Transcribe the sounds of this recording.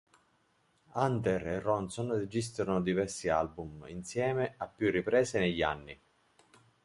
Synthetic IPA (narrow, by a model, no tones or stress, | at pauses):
ant̪ererːɔnsonred͡ʒis̬t̪ɾanod̪ivɛrsialbumḭnsjɛːmeapːjurːipɾɛːseneʎːa̰nːi